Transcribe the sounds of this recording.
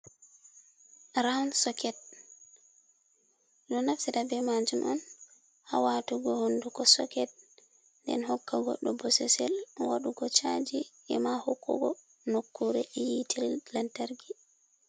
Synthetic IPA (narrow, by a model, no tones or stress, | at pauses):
ɾansɔkɛt̚ | ɗɔnafsidabɛmad͡ʒumʔɔn | hawatuɡɔhondukɔsɔ̰kɛt̚ | ndɛ̰nhɔkːaɡɔ̰ɗːɔbɔsɛsɛlwaɗukɔt͡ʃad͡ʒi | ɛmahɔkːɔ̰ɡɔ | nokːuɾɛjitʰɛlantaɾɡi